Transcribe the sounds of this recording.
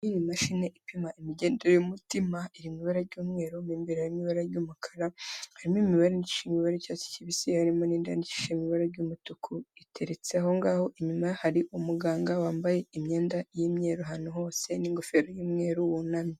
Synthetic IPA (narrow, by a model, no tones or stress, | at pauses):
jinimaʃine̞ʔipimaʔimiɟe̞ːndeɾojumutimaiɾimiβaɾaɾɟuːmŋe̞ːɾumiːmbiɾhaɾimiβaɾaɾɟuːmukʰḁɾahaɾimoimiβaɾenici̥ʃemiβaɾecasi̥ciβisihaɾimo̞niːnda̰nici̥ʃemiβaɾaɾɟumutukʰuitʰe̞ɾet͡seho̞ŋɡaːho̞ʔiɲumahaɾiʔumuɡaːŋɡawaːmbaje̞imɲe̞ːndajimɲe̞ɾoɦanuɦo̞ːse̞niŋɡofeɾojuːmŋe̞ːɾuwunami